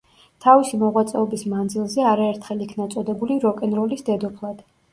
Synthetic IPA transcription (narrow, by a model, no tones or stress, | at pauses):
t̪ʰavisimɔʁwat̪sʼɛɔbismand̪zilˠzɛaɾaɛɾt̪ʰχɛlˠikʰnat̪sʼɔd̪ɛbuliɾɔkʼɛnɾɔlisd̪ɛd̪ɔpʰlˠad̪̥